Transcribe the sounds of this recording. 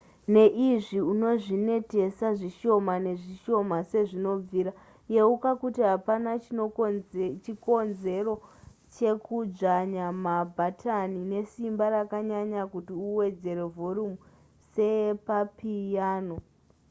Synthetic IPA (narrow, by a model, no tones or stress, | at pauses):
ne̞ʔiʐiuno̞ʐine̞te̞saʐiʃo̞mane̞ʐiʃo̞mase̞ʐino̞b͡viːɾa | je̞ukakutiɦapana | t͡ʃiko̞nze̞ro̞ | t͡ʃe̞kud͡ʐaɲamabʱatʰanine̞simbaɾakaɲaɲakutiuwe̞d͡ze̞ɾe̞vʱo̞ɾumu | se̞papijaːno̞